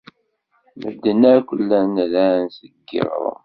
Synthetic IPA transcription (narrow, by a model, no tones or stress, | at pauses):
mə̰d̪ːənækʷəlːænlænsəɡḭɾ̰ɾ̰ˤ